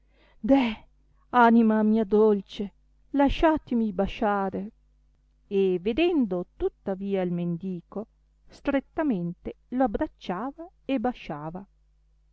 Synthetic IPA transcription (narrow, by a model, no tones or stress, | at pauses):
d̪ɛ | animamiːad̪olt͡ʃe | laʃaːt̪emibaʃaːɾe | eved̪ɛnd̪ot̪ut̪ːaviːailmend̪iːko | st̪ɾet̪ːament̪e | loabːɾat͡ʃːaːva | ebaʃaːva